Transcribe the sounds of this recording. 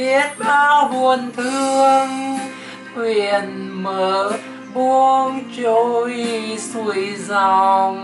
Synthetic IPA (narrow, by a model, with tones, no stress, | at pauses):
i˦˥ət̚ɓaː˧˩hu˨˩ənt̪ʰɨ˧əŋ | kwi˧˨ənməː˨˦ | ɓu˧əŋt͡ɕo˧˦jsu˧˩əjzɔ˨˧ŋ